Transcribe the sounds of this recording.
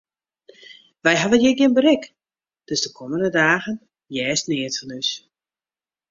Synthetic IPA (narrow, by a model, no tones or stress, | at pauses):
ʋɛjɦavənjɪɡjɪnbəɾɪk | d̥øsdəkʰoməndədaːɣən | jɛːstnɪətfɔnys